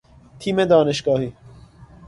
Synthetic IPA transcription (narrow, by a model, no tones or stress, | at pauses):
t̪ʰiːmed̪ɒːneʃɡɒːhiː